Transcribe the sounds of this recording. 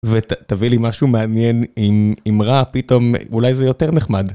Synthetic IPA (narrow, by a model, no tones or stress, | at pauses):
vettavilimaʃumeanjenimimʁapito̞mulajzejo̞teʁneχmad